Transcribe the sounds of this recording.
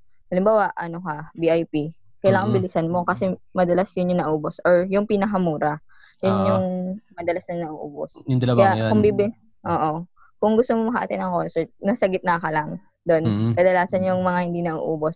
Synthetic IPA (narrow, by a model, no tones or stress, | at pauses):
hɐlɪmbaːwɐʔʔɐnokɐbiʔajpi | kɐjlaːŋɐŋbɪlisɐnmo̞kɐsɛmɐd̪ɐlasjʊnjʊŋnɐʔuːbosʔoɹjʊŋpinɐkɐmuːɾɐ | jʊnjʊŋmɐd̪ɐlasnɐŋnɐʔṵːʔṵbo̰sjd̪ɐɐjjakʊŋbibɪ | ʔoːʔo̞ | kʊŋɡʊst̪omomɐkɐ̰ʔɐ̰t̪ɛnɐŋko̞nsɛɹt̪̚nɐsɐɡɪt̪nɐkɐlɐŋ | d̪o̞nkɐd̪ɐlaːsɐnjʊŋmɐŋahɪnd̪inɐʔṵʔuːbo̞s